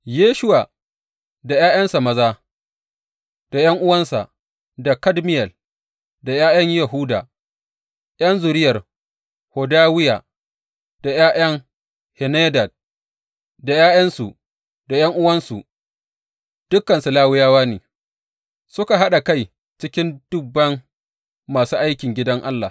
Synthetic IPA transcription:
jeː˦ʃʊ˦waː˨ | da˨jaː˦j̰ɐ˦nsa˨mɐ˦zaː˦ | d̥a˨jɐ˦ŋʔʊ˦wɐ˦nsa̰˨ʔ | da˨kɐ˦dmɪ˦jɛ˨l | da˨jaː˦jɐ˦ɲja˨ɦuː˦da̰ː˨ | jɐ˦nzʊː˨ɾɪ˦jɐ˨r | ho˨daː˦wɪ˦jaː˨ | d̥a˨jaː˦j̰ɐ˦ŋ | hɛ˨neː˦dɐ˨d̚ | da˨jaː˦jɐ˦nsṵ˨ | d̥a˨jɐ˦ŋʔʊ˦wɐ˦nsṵ˨ | d̥ʊ˦kːɐ˨nsu˨laː˦wɪ˦jaː˦waː˦neː˨ | sʊ˦ka˨ɦa˦ɗa˨ka˦˨j | t͡ʃɪ˦kʲɪ˦nd̥ʊ˦bːɐ˦ŋː | aː˨suː˦ʔa˦jkʲɪ˨ŋɡʲɪ˦dɐ˦ŋʔa˦lːa˨

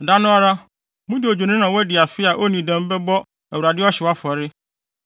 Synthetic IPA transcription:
da˦nʊ̃˦a˦ɾa˦ | mʊ̃˦dɪ˨o˨d͡ʑᶣo˨nɪ̃˦nã˨wɔ˦dɪ˨a˨fɪ˦a˨ʔo˦nĩ˨dɛ̃˦m˦bɛ˦bɔ˦ | æ˨wu˨ɾa˨dɪ˦ɔ˦ɕɪ˨wa˦fɔ˨ɾɪ˦

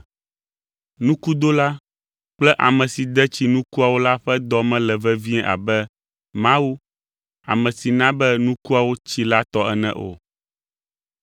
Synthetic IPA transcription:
nũ˦ku˦d̪o˦la˦ | k͡plɛ˦ʔa̰˨mɛ̃˨si˨d̪ɛ˦t͡ɕi˨nũ˦ku˦a˨wo˦la˦ɸɛ˦d̪ɔ˦mɛ̃˦lɛ˨vɛ˦vi˦ɛ̃˦ʔa̰˨bɛ˦ | mã˦wu˦ | a̰˨mɛ̃˨si˨nã˦bɛ˦nũ˦ku˦a˨wo˦t͡ɕi˦la˦t̪ɔ˦ɛ˦nɛ̰̃˦˨ʔo̰˨

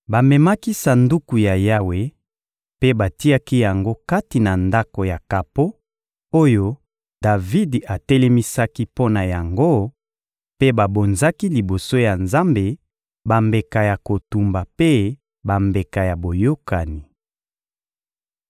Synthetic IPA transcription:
ba˨mɛ˨ma˦ki˦sa˨ndu˦ku˨ja˨ja˦we˨ | pe˦ba˨ti˦a˦ki˦ja˨ŋɡo˦ka˦ti˨na˨nda˦ko˨ja˨ka˨po˦ | o˦jo˦ | da˨vi˦da˨tɛ˦lɛ˦mi˦sa˦ki˦po˦na˨ja˨ŋɡo˦ | pe˦ba˨bo˨nza˦ki˦li˨bo˨so˦ja˨nza˦mbe˨ | ba˨mbe˨ka˨ja˨ko˨tu˨mba˨pe˦ | ba˨mbe˨ka˨ja˨bo˨jo˦ka˨ni˨

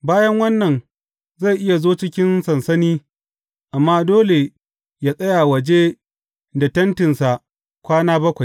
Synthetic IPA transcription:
baː˦jɐ˦ŋwɐ˦nːɐ˨n | za˦˨ʔɪ˦ja˨zoː˦t͡ʃɪ˦kʲɪ˦nsɐ˨nsɐ˦niː˦ | ʔa˨mːaː˦doː˦le˨ | jaː˦sʼɐ˦jaː˨wɐ˨d͡ʒe˦ | da˨tɐ˦ntɪ˨nsa˨ʔ | kʷaː˦naː˦bɐ˦kʷa˨j

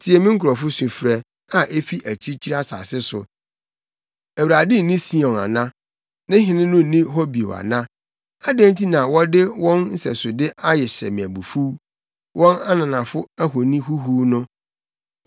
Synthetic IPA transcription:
tʰɪ˨ɛ˨mĩɪ̃˦ŋ̩˦kʰʊ˨ɾɔ˨fʊ˦su˨fɾɛ˨ | a˨ʔe˦fi˦ʔæ˨t͡ɕʰi˦t͡ɕʰi˦ɾa˦sa̰ː˨sɪ˦sʊ˨ | æ˨wɾa˨dɪ˦˨nĩ˦sĩ˦ɔ̃˨na̰˨nã˦ | nɪ̃˦ɦɪ̃˨nɪ̃˦nʊ̃˦˨nĩ˦ɦɔ˦bi˨o˨a̰˨nã˦ | a˦dæ̃˦ntʰi˦nã˨wɔ˦dɪ˦wɔ̃˦nn̩˦sɛ̰˨sʊ˨dɪ˦ʔa˦jɛ˨ɕɛ̰˨mĩ˨æ˨bu˨fu˦ | wɔ̃˦na˦nã˨nã˨fʊ˦æ˦ɦo˨nĩ˦hu˦ɦuː˦nʊ̃˦

